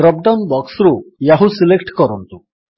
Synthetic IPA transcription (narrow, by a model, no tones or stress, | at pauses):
ɾɔp̚ɖawnbɔksɾujaɦusilekʈkɔɾɔnt̪u